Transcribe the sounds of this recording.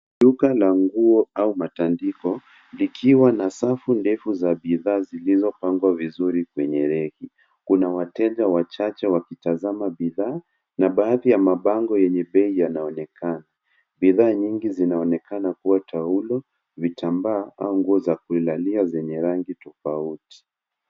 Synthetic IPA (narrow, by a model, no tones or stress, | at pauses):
ʄukalaŋɡuɔaumatandikɔ | likʰiwanasafundɛfuzaɓiðaːzilizɔpaŋɡwavizuɾikwɛɲɛɾɛhi | kunawatɛʄawat͡ʃat͡ʃɛwakitazamaɓiðaː | naɓaːðijamaɓaŋɡɔjɛɲɛɓɛijanaɔnɛkʰana | ɓiðaːɲiŋɡizinaɔnɛkʰanakuwatʰaulɔ | vitambaːʔa̰uŋɡuɔzakuilaliazɛɲɛɾaŋɡitɔfauti̥